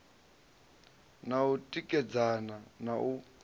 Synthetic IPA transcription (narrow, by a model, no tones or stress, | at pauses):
nautʼikʼɛd͡zananau